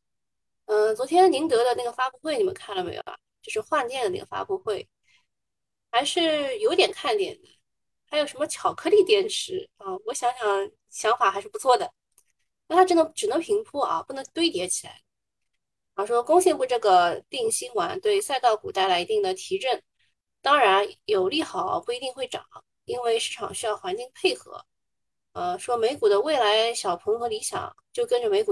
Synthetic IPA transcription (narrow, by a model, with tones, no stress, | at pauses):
ə˧t͡swɔ˧˥t̪ʰjɛ˥nni˧˥nt̪ɤ˧˥d̪ə˧na˥˩ɡə˩fa˥pu˥˧xwe˥˩ɪni˨˩mə̰˦ŋkʰa˥˩nlə˩me˧˥ɪjo̰˩ʊa˦˩t͡ɕjo˥˧ʊʂɻ̩˥˧xwa˥˧nt͡ɕjɛ˥˩nd̪ə˩na̰˥˩ɡə˩fa̰˥pu˥˧xwe˥˩ɪ | xa˧˥ɪʂɻ̩˥˩jo˧˥ʊt̪jɛ˨˩nkʰa˥˩nt̪jɛ̰˨˩nd̪ə˦ | xa˧˥ɪjo˨˩ʊʂə˧˥mə˧t͡ɕʰjɑ˨˩ʊkʰɤ˥li˥˩t̪jɛ˥˩nʈ͡ʂʰɻ̩˧˥ə˥˧wɔ˧˥ɕjɑ˧˥ŋɕjɑ˨˩ŋ | ɕjɑ˧˥ŋfa˨˩xa˧˥ɪʂɻ̩˥˩pt͡sʰwɔ˥˩d̪ə˩ | a˥˩t̪ʰa˥ʈ͡ʂɻə˥nd̪ə˧˩ʈ͡ʂɻ̩˨˩nɤ˧˥ŋpʰi˧˥ŋpʰu˥ɐ̰˧pu˥˩nɤ˧˥ŋt̪we˥ɪt̪jɛ˧˥t͡ɕʰi˨˩la̰˧˥ɪ | ɑ˧˩ʂwɔ˥kʊ˥ŋɕjɛ˥˧npu˥˧ʈ͡ʂɤ˥˩ɡə˩t̪i˥˩ŋɕi˥ŋwa̰˨˧˩nt̪we˥˧ɪsa˥˧ɪt̪ɑ˥˩ʊku˨˩t̪a˥˩ɪla˧˥ɪi˧˥t̪i˥˩ŋd̪ə˩t̪ʰi˧˥ʈ͡ʂə˥˩n | t̪ɑ˥ŋɻa˧˥njo˨˩ʊli˥˩xɑ˨˩˦ʊpu˥˩i˧˥t̪i˥˧ŋxwe˥˩ɪʈ͡ʂɑ̰˨˩˦ŋ | i˥nwe˥˧ɪʂɻ̩˥˩ʈ͡ʂʰɑ̰˨˩ŋɕy˥jɑ˥˩ʊxwa˧˥nt͡ɕi˥˧ŋpʰe˥˩ɪxɤ̰˧˥ | ə˧ʂwɔ˥me˧˥ɪku˨˩d̪ə˦we˥˩ɪla˧˥ɪɕjɑ˨˩ʊpʰɤ˧˥ŋxɤ˧˥li˧˥ɕjɑ̰˨˩˦ŋt͡ɕjo˥˩ʊkə˥nʈ͡ʂə˨˩me˧˥ɪku˨˩